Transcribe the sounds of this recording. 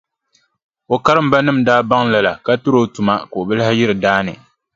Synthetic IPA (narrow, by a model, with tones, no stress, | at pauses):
o˨ka˦ɾɨ˦m˨ba˦nɨ˦m̩˨daː˦ba˦ŋla˨la˨ka˦tu˦ɾo˦tu˨ma˦koː˨bɨ˦lha˦jɪ˦ɾɨ˨daː˦nɨ̰˨